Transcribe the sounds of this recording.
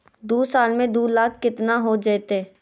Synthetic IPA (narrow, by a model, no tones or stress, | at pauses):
d̪uːsaːlmẽd̪uːlaːkʰːɪt̪naɦod͡ʒət̪eː